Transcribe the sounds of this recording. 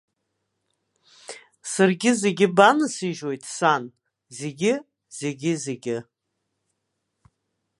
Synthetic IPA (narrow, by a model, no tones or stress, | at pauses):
sarɡʲɪze̞ɡʲɪbanɨsiʒo̞jtʰʼsan | zeɡʲɪ | z̥e̞ɡʲɪze̞ɡʲɪ